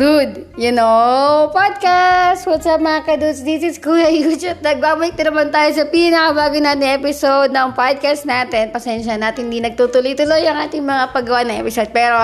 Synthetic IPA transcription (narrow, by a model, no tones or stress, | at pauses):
d̪ud̪jʊnopad̪̚kastwɐd̪sɐmɐŋakɐd̪ud̪sd̪isɪt̪skuːlɐjud͡ʒɐt̪̚nɐɡ̚baːbɐlɪk̚t̪ɐnɐmant̪aːjos̬ɐpinɐkɐbaːɡʊjnaːt̪ɪŋʔɛpɪsowd̪̚nɐŋpad̪̚kast̪naːt̪ɛnpɐsɛnʃɐnaːt̪ɪhɪnd̪inɐɡ̚t̪ut̪ʊlojt̪ʊlojɐŋʔaːt̪ɪŋmɐŋapɐɡɐwanɐŋʔɛ̰pɪsod̪̚pɛːɾo